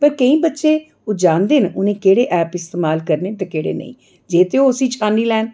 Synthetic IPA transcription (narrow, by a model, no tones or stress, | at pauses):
pəɾkəĩːbətːʃeː | od͡ʒãːnd̪eːnʊnẽːkeːɽeːʔɛːpɪst̪eːmaːlkəɾneːt̪ẽːkeːɽḛːnə̰ḭ̃ː | d͡ʒeːt̪eoːʊsiːt͡ʃʰaːniːlɛːn